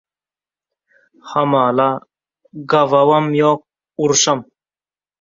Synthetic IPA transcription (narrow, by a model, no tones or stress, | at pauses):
hɐmaːla | ɡɐvɐwɐmjoːk̚ | uɾɕɐm